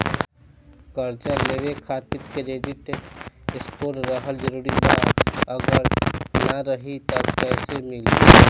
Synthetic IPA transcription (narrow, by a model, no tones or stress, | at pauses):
kəɾt͡ʃaleːʋekʰaːt̪ɪɾkeɾeːɖɪʈ | ɪspoːɾɾəɦəld͡ʒəɾuːɾibaːt̪əɡəɾnɐɾəɦit̪ɔːpɛːsemɪlḭ